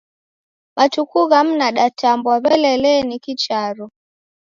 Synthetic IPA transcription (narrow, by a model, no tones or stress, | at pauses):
matukuɣam̩naɗatambwaβɛlɛlɛnikit͡ʃaɾɔ